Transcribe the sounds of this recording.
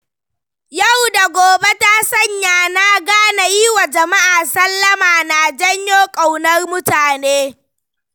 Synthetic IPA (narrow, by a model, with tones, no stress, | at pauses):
ja˦˨wda˨ɡʷoː˨be˦ta˦sɐ˦˨ɲjaː˨na˦ɡaː˦na˨ji˦wa˨d͡ʒɐ˨ma˦ʔaː˨sɐ˦lːɐ˦maː˨na˨d͡ʒɐ˦ɲjoː˦kʼa˨wnɐ˦rmʊ˦taː˨neː˦